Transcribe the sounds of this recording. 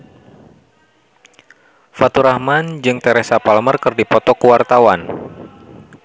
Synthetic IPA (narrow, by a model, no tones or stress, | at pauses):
fat̪uɾahmand͡ʒɨŋt̪ɛɾɛsapalmərkɨrdipɔt̪ɔkuwart̪awan